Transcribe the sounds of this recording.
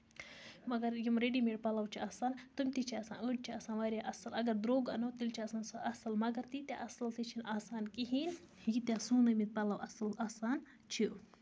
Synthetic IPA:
mɐɡɐɾjimɾeːɖimeɖpɐlɐwt͡ʃʰiaːsaːnt̪umʲt̪it͡ʃʰiɐsa̰ːnəʈ̚t͡ʃʰiaːsaːnʋaːɾʲjaʔɐsɐlɐɡɐɾd̪ɾoːɡɐnoːt̪ilt͡ʃʰiɐsaːnsɨʔɐsɐlmɐɡɐɾt̪it̪ʲja̰ʔɐsɐlt̪it͡ʃʰinaːsaːnkiɦiːn | hikit̪jaːsuːnɐmit̪̚pɐlɐwʔɐsɨlaːsaːn | t͡ʃʰi

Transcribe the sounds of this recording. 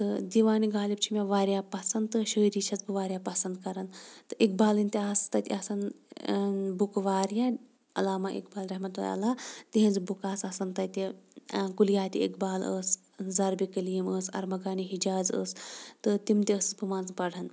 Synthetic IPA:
t̪ɨd̪iʋaːniɡaːlib̚t͡ʃʰimʲaʋaːɾjaːpɐsɐnd̪t̪ɨʃəːɾiːt͡ʃʰɐt͡sbɨʋaːɾjaːpɐsɐnd̪̚kɐɾɐnt̪ɨʔek̚baːlɨnʲt̪ʲiaːst̪ɐt̪ʲɐsɐn | bukʋaːɾjaː | ɐlaːmaʔḛkbaːlɾɐɦmɐt̪ua̰ɐ̰laːt̪iɦɐ̃nzɨbukaːsɐsɐnt̪ɐt̪ʲikuljaːt̪ʲḭkbaːlə̰ːs | zɐɾbikɐliːməːsɐ̰ɾmɐɡaːniɦid͡ʒaːzə̰ːst̪ɨt̪imt̪ʲiəsɨ̥t͡sbumaːnzpɐɽɐn

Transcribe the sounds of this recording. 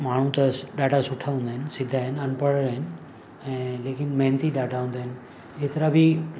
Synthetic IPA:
maːɳ̤ũt̪ɐɗaːɖasʊʈʰaɦũːn̆d̪aːɦɪnɪsɪd̪ʱaːɦɪnɪɐnpəɽəɾaːɦɪnɪ̆ | ɛ̃ːleːkɪnmɐɦnt̪iɗaːɖaɦũːn̆d̪aːɦɪnɪ̆ | d͡ʑeːt̪ɪɾabʱi

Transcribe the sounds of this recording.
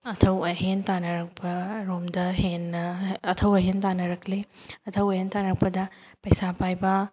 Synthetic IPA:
ɐtʰɐwɐɦentanɐɾɐk̚pʰɐɾomdɐɦenːɐːtʰɐwɐɦentanɐɾɐkʰleɐtʰɐwɐɦentanɐɾɐk̚pɐdɐ | pɐjsapajbɐ

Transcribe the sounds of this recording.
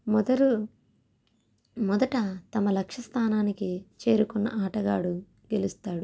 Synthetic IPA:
mɔd̪ɐɾu | mɔd̪ɐʈɐt̪ɐmɐlɐkʂɐst̪ʰaːnaːnikit͡ʃe̞ːɾukunːɐ̰ʔaːʈɐɡaːɽu | ɡe̞lust̪aːɽu

